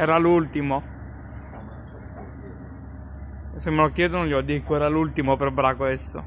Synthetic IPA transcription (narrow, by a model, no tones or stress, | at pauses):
ɛːɾalult̪imo | semːelokːjɛːd̪onõnʎelod̪ːikːoɛːɾalult̪imopɾɔbɾakwest̪o̰